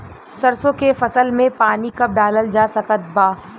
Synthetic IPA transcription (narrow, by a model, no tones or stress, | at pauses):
sɐɾsõkefɐsəlmẽpaːnikɐp̚ɖaːləld͡ʒaːsɐkət̪̚baː